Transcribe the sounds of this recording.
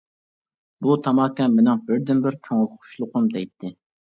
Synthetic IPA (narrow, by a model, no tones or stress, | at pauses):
but̪ʰɑmɑkʲːɑnmɪnɪŋbɪɾd̪ɪnbɪɾkʲʰøŋɪlʲχʊ̥ʃlˠʊqʰʊmd̪ɛjt̪ʰːɪ